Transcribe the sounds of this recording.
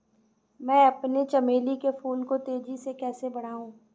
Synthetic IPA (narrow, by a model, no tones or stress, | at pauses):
mɛ̃ːɐpnet͡ʃɐmeːlikefuːlkot̪eːd͡ʒisekɛːsebɐɽ̤aːɦũː